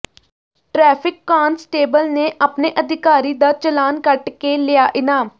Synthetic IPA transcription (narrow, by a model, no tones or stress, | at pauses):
ʈɾɛːpʰɪkːaːnsʈeːbəlneːʔaːpneːʔəd̪ɪkaːɾiːd̪aːt͡ʃəlaːnkəʈkeːlɪjaːʔɪnaːm